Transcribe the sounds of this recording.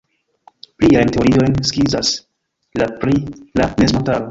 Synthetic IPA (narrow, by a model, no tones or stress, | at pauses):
pliajnte̞oɾio̞jnskizas | lapɾilanezmotaɾo